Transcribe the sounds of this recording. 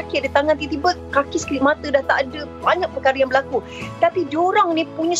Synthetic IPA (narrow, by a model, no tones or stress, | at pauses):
akɪdit̪aŋant̪̬it̪ibət̪̚kakɪskiɾit̚mat̪ədaht̪aʔadəbaɲak̚pərkaɾəjaŋbəlaku | t̪apidoɾaŋnĩpuɲə̃s